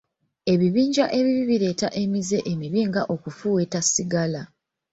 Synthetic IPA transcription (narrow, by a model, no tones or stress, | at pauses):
e̞βiβiːɲɟaʔe̞βiβiβiɾe̞ːtaʔe̞mize̞ʔemiβiːŋɡaʔo̞kufuwe̞tasiɡala